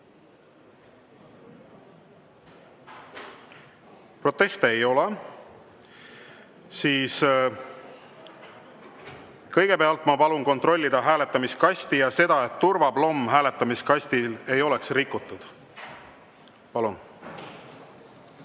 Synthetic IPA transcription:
pro̞t̪ːe̞st̪eejo̞lɛ | siːs | kɤ̞jɡ̥e̞pe̞ɑlt̪ˑmɑpɑlunko̞nt̪ro̞lʲːid̪̥ɑɦæːle̞t̪ːˑɑmiskɑsʲt̪ijɑse̞d̪̥ɑe̞t̪ːurvɑb̥lo̞mːɦæːle̞t̪ːˑɑmiskɑsʲt̪ile̞jo̞le̞ksrikːut̪ːˑud̪̥ | pɑlun

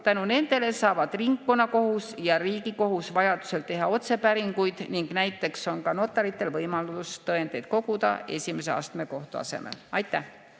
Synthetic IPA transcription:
t̪ænune̞nd̪̥e̞le̞sɑːvɑd̪̥riŋkːonɑko̞husjɑriːɡiko̞ɦusvɑjɑd̪̥u̥se̞lt̪e̞ɦɑo̞t̪se̞pæɾiŋɡujd̪̥niŋɡ̥næjt̪ːˑe̞kso̞nkɑno̞t̪ːˑɑɾit̪ːˑe̞lvɤjmɑlust̪ɤe̞nd̪̥e̞jd̪̥̚ko̞ɡud̪ɑ̰e̞sʲimeseɑ̰ːst̪me̞ko̞ht̪uɑ̰se̞̰mḛlɑjt̪ːˑæh

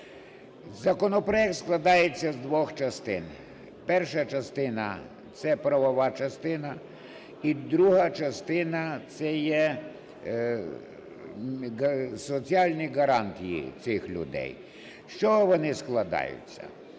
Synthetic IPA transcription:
zɐkɔnɔpɾɔjɛk̚t̪sklˠɐd̪ɑjet͡sʲːɐzd̪ʋɔxt͡ʃɐst̪ɪ̰n | pɛrʃɐt͡ʃɐst̪ɪnɐ̰ | t̪sɛpɾɐʋɔʋɑt͡ʃɐst̪ɪnɐ | id̪ɾuɦɐt͡ʃɐst̪ɪnɐt̪sɛjɛ | sɔt͡sʲiɑlʲnʲiɡɐɾɑnt̪ʲijḭt͡s̪ɪxlʲʊ̰d̪ɛ̰j | ʃt͡ʃɔʋɔnɪsklˠɐd̪ɑ̰jʊ̰t͡sʲːɐ̰

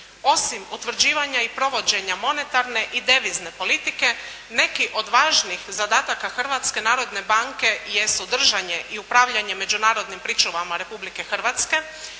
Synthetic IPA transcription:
o̞simut̪ʋr̩d͡ʑiːʋaɲaipɾo̞ʋo̞d͡ʑe̞ɲamo̞ne̞t̪aɾne̞ʔid̪e̞ʋizne̞po̞lit̪ike̞ | ne̞kiʔo̞d̪ʋaːʒnixzad̪aːt̪akaxr̩ʋat̪ske̞naːɾo̞d̪ne̞baŋke̞jesud̪r̩ʒaɲe̞ʔiupɾaːʋʎaɲe̞me̞d͡ʑunaːɾo̞d̪nimpɾit͡ʃuʋamaɾe̞publike̞xr̩ʋat̪ske̞

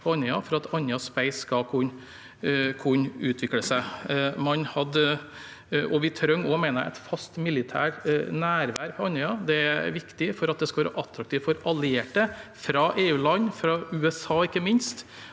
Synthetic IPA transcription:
pʰɔɑnəɑfɔɾɑt̪ʰɑnjɑspæɪskɑkʰʊn | kʰʊnʉːt̪ʰʋɪkləsəmɑnhɑd̪ | ʔɔʋɪt̪ʰɾœŋɔmæɪnəæ̰ɪt̪fɑst̪mɪlɪt̪ʰæ̰ːʈnæːɾʋæːɾpʰɔɑnɪɑd̪ɛæ̰ʋɪkt̪ɪfɔɾɑt̪̚d̪ɛskɑʋæːɾə̰ʔɑt̪ɾɑkt̪ʰiːʋfɔɾɑlɪeːʈəfɾɑʔeːʉːlɑnːfɾɑʉːɛsɑːɪkːəmɪnst̪

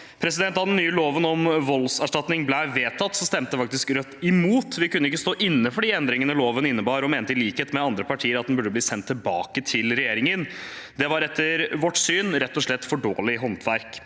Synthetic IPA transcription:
pʰɾɛsɪd̪ɛnt̪ɑd̪ɛnːyːəloːʋənɔmʋɔlsæʂʈɑt̪nɪŋblæɪʋeːt̪ʰːɑt̪ːsɔst̪ɛmt̪əfɑk̚t̪ɪskɾœt̪ːɪmuːt̪ʋɪkʉnːəɪkːəst̪oːʔɪnːəfɔɖiːɛnd̪ɾɪŋənəloːʋənɪnːəbɑːɾɔmeːnt̪əɪliːkheːt̪mɛɑnd̪ɾəpɑʈʰiːəɾɑt̪d̪nbʉɖːəbliːsɛnt̪ʰːɪlbɑːkət̪ʰɪlɾɛjeːɾɪŋən | d̪ɛʋɑɾɛt̪ːəɾʋɔʈːsyːnɾɛt̪ːɔʂɭɛt̪ːfɔɖoːɭɪɦɔnt̪ʰʋæɾk

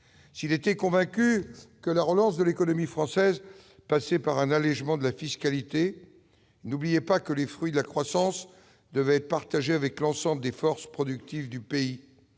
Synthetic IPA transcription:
silet̪ɛkɔ̃vɛ̃kʲykəlaʁəlɑ̃sd̪əlekɔnɔmifχɑ̃sɛz | pasɛpaʁɛ̃nalɛʒmɑ̃d̪əlafiskalit̪e | nublijɛpakəlefχɥid̪əlakχwasɑ̃s | d̪əvɛɛt̪paʁt̪aʒeavɛklɑ̃sɑ̃bləd̪efɔʁspχɔd̪yk̚t̪ivd̪ypei

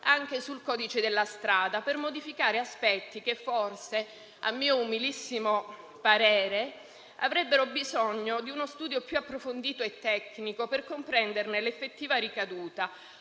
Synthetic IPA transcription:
aŋk̟esulkɔːd̪it͡ʃed̪elːast̪ɾaːd̪apermod̪ifikaːɾeaspɛt̪ːik̟efːorse | a̰mːiːoumilisːimo | paɾɛːɾe | a̰vɾɛbːeɾobizɔɲːod̪iunost̪uːd̪jopjuapːɾofond̪iːt̪oet̪ːɛkːnikoperkompɾɛnd̪ernelefːet̪ːiːvaɾikad̪uːt̪a

